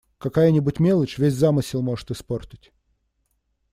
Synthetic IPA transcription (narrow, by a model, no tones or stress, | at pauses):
kɐkajənʲɪbʊtʲmʲelˠət͡ɕvʲesʲzamɨsʲɪlˠmo̞ʐɨ̥t̪ɨsportʲɪ̥tʲ